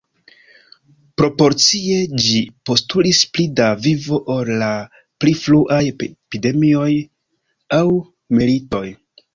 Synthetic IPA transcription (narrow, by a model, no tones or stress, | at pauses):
pɾo̞po̞ɾt͡sie̞d͡ʒipo̞stulisplidavivo̞ʔoɾla | plifluʔajpide̞mio̞j | aw | milito̞j